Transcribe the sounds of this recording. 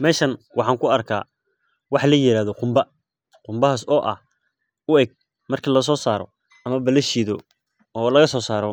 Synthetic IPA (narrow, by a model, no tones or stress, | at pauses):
mɛːʃɐnwʔɑħɑːŋkʰʊɐrkʰa̰ː | wɑħlɐjɪɾaːðɔqʊmbɐ | qʊmbɐɦasɔːʔɐ̰h | ʊɛɡ̚ | mɐrkʰiːlɐs̬ɔːsaːɾɔ̰ | ɐmɐbɐlɐʃiːðɔ | ɔːlɐɣɐsɔːsaːɾɔ